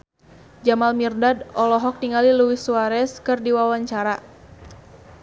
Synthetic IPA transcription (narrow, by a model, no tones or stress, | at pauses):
d͡ʒamalmirdadɔlɔɦɔk̚niŋaliluwisuaɾɛskɨrdiwawaɲt͡ʃaɾa